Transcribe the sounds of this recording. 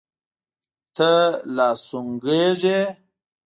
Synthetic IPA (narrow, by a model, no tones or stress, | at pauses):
t̪əlɑːsuŋɡeʐe